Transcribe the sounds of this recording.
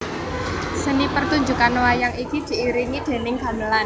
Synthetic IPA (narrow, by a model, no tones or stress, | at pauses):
sənipərt̪uɲd͡ʒṳkanwajaŋikid̪̥i̤ːɾiŋid̪̥e̤nɪŋɡ̥a̤nəlan